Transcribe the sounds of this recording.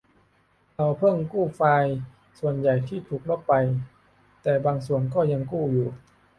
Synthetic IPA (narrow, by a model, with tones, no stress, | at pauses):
ʔa˧˩wpʰɤ˥˩ŋkuː˥˩faː˧j | su˨˩ənja˨˩jt̪ʰiː˥˩t̪ʰuː˨˩k̚lo˧˥˩p̚pa˧j | t̪ɛː˨˩baː˧ŋsu˨˩ənkɔː˥˩ja˧ŋkuː˥˩juː˨˩